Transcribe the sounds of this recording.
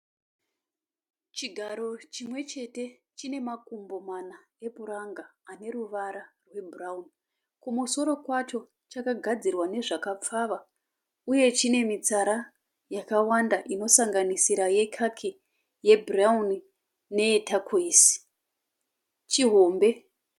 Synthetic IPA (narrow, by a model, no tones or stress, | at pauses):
t͡ʃiɡʱaɾo̞t͡ʃimwe̞t͡ʃe̞te̞ | t͡ʃine̞makumbo̞mana | e̞puɾaŋɡaːne̞ruʋaɾarwe̞bʱuraun | kumuso̞ɾo̞kwat͡ʃo̞ | t͡ʃakaɡʱad͡zirwane̞ʐakap͡faʋa | uje̞t͡ʃine̞mit͡saɾa | jakawandaʔino̞saŋɡanisiɾaje̞kʰakʰi | je̞bʱurauni | ne̞ːtakʰuiːsi̥ | t͡ʃiɦo̞mbe̞